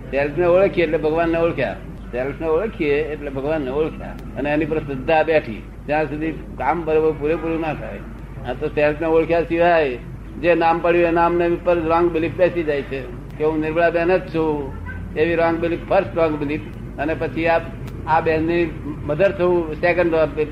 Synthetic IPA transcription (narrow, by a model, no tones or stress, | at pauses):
selpʰneoɭkʰieeʈlebʱəɡʋanːeoɭkʰja̰ | selpʰneoɭkʰieːʈlebʱəɡʋanːeoɭkʰja̰ | əneenipəɾsəd̪ːabeʈʰḭ | t̪jãsud̪ʱi | kambəɾobəɾpuɾepuɾũnat̪ʰa̰j | ə̃t̪oselpʰneoɭkʰjasiʋ̤aj | d͡ʒenaːmpəɽjuenaːmneʋipəɾɾɔ̃ŋɡbɪlip̚bɛsid͡ʒajt͡ʃʰe | keɦũnɪɾbɭabɛɦnət̪̚t͡ʃʰu | eʋiɾɔ̃ŋɡbɪlippʰəɾsʈɾɔ̃ŋɡbɪlip | ənepət͡ʃʰiaːp | abɛnːiməd̪əɾt͡ʃʰəũsekəɳɖɔːɾe